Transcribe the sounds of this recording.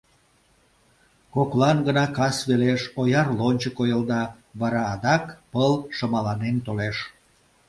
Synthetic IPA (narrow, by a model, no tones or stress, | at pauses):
koklɑnɡənɑkɑsβeleʃojɑrlonʲt͡ɕəkojəld̪ɑ | βɑɾɑːd̪ɑkpəlʃəmɑlɑnent̪oleʃ